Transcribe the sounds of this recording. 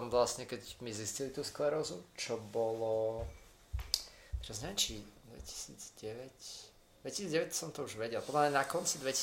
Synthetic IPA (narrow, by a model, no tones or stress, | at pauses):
ɔmʋlasɲɛkɛɟmiziscilit̪uːsklɛɾɔzut͡ʃɔbɔlɔ | t͡ʃɔzɲɛɛt͡ʃid̪ʋɛ̰ci̥sḭːd͡zɟɛʋɛc | d̪ʋɛcisiːd͡zɟɛʋɛcsɔmt̪ɔuʒʋɛɟɛlpɔd̪laɲɛnakɔnt͡sid̪ʋɛci